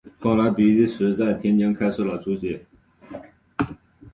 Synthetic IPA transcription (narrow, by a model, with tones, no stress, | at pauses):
kɑ˥˩ŋla˧˥ɪpi˨˩li˥˩ʂɻ̩˧˥t͡sa˥˩ɪt̪ʰjɛ˥nt͡ɕjɛ˥nkʰa˥ɪʂɻ̩˥˩lə˨˩t͡su˧˥t͡ɕɛ˧˥